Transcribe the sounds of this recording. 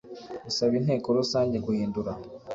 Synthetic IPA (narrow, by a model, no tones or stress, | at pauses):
usaβinɦe̞ːkoɾusaːɲɟekuhiːnduɾa